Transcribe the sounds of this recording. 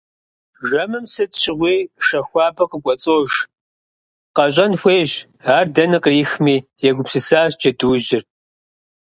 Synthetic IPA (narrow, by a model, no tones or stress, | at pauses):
ʒɐmɨmsɨtɕɪʁʷiːʃɐxʷɑːbɐqəkʷʼɔt͡sʼoːʒ | qɐɕʼɐnxʷeːʒ | aːrdɐnɨqiːxmiːjɛɡʷʊpsɨsaːɕd͡ʒɐduːʑɪr